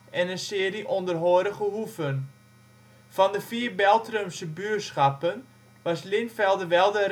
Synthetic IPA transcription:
ʔɛnənsɪəriʔondərɦoəɾəχəɦufən | fɑndəfiərbɛlˠtrømsəbyːəsχapən | ʋɑslɪnfɛlˠdəʋɛlˠdə

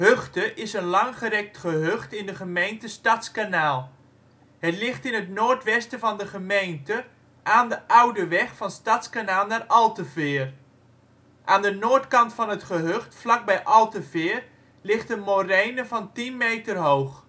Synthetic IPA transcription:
høχtəʔɪsənlɑŋχəɾɛk̚tχəɦøχtɪndəχəmejntəstɑtskanaːlˠ | hətlɪχtɪnɦətnoːɹtʋɛstəvɑndəχəmejntə | ʔaːndəʔʌwdəʋɛχfɑnstatskanaːlˠnaːrʔɑlˠtəvɪːr | ʔaːndənoːɹtkɑntfɑnɦətχəɦøχtflɑɡ̚bɛjʔɑlˠtəvɪːr | lɪχtəmorejnəvɑntinmejtərɦowχ

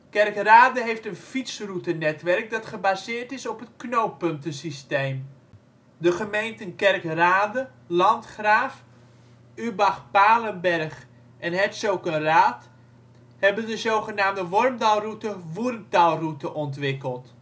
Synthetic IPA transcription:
kɛrkraːdəɦejftənfitsrutənɛtʋɛrk̚dɑtχəbazɪːɹtɪsɔpɦətknowpɵntəsistejm | dəχəmejntənkɛrkraːdə | lɑntχraːf | ybaχpaːlənbɛrχ | ʔɛnɦɛtsowkənraːt | hɛbəndəzowχənaːmdəʋɔrmdalˠrutəʋurmtalˠrutəʔɔntʋɪkəlˠt

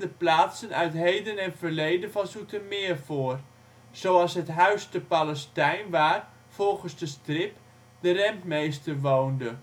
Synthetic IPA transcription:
dəplaːtsənœɥtɦejdənɛnfəlejdənvɑnsutəmɪərfʊːər | z̥owɑlˠsɦətɦœɥstəpaləstɛjnʋaːr | fɔlˠχənzdəstrɪp | dərɛmpmejstərʋowndə

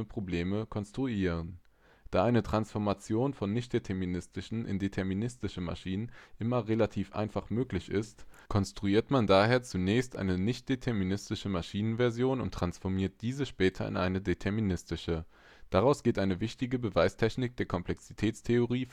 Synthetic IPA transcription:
əpʁ̥obleːməkʰɔnstʁ̥uiːʁ̞ən | d̥aːʔaɪnətʁ̥ansfɔɐmat͡sjoːnfɔnːɪçt̚d̥etʰɛɐminɪstɪʃn̩ʔɪ̰ndetʰɛɐminɪstɪʃn̩ma̰ʃiːnənʔɪmɐʁelatʰiːfʔa̰ɪnfaχmøːklɪçɪstkʰɔnstʁ̥uiːɐtmandaːheːɐt͡sunɛːçstʔa̰ɪnənɪçt̚d̥etʰɛɐminɪstɪʃəmaʃiːnənvɛɐzjoːnʊntːʁ̥ansfɔɐmiːɐt̚d̥iːzəʃpɛːtʰɐɪ̰nʔa̰ɪnədetʰɛɐminɪstɪʃə | d̥aʁaʊsɡ̥eːtʔaɪnəvɪçtɪɡəbəvaɪstʰɛçnɪk̚d̥eːɐkʰɔmpl̥ɛksitʰɛːt͡stʰeoʁiː

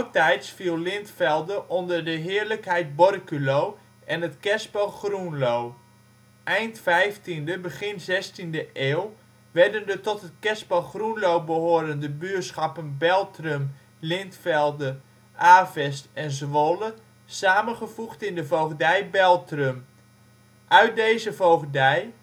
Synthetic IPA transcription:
ɔk̚tɛjtsfilˠlɪntfɛlˠdəʔɔndərdəɦɪːɹləkɦɛjt̚bɔrkylow | ʔɛnətkɛsbolχrunlow | ʔɛjntfɛjftindəbəχɪnzɛstindəʔeːlˠ | ʋɛɹdəndətɔtɦət̚kɛsbəlχrunlowbəɦoːɾəndəbyəsχɑpənbɛlˠtrøm | lɪntfɛlˠdə | ʔaːvɛstɛnzʋolə | saːmənχəvuχtɪndəvowχdɛjbɛlˠtrøm | ʔœɥt̚dejzəvowχdɛj

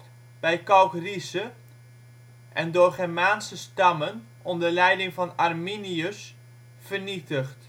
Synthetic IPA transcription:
b̥ɛjkɑlkrisə | ʔɛndʊːrχɛrmaːnsəstɑmən | ɔndəlɛjdɪŋvɑnarminiəs | fərnitəχt

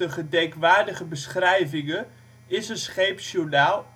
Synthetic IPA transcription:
əχədɛjkʋaːɹdəχəbəsχrɛjvɪŋə | ɪsənsχejpʃuɹnaːlˠ

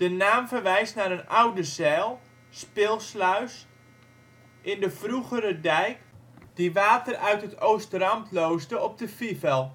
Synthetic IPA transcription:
d̥ənaːmvərʋɛjstnaɾənʔawdəzɛːlˠ | spɪːlˠslœɥs | ʔɪndəfruɣəɾədɛjkd̥iʋaːtərœɥtɦətʰowstrɑmtlowzdəɔp̚dəfivɛlˠ

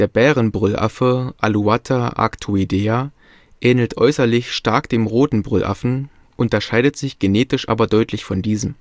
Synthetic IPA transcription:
d̥eːɐbɛːʁənbʁʏlʔa̰fəʔa̰luatʰaʔa̰ktʰuideːa | ʔɛːnl̩tʔɔʏsɐlɪçʃtaɐkd̥eːmʁoːtn̩bʁʏlʔa̰fn̩ | ʔʊntɐʃaɪɾətz̥ɪçɡ̥eneːtɪʃʔa̰ːbɐdɔʏtʰlɪçfɔndiːzəm

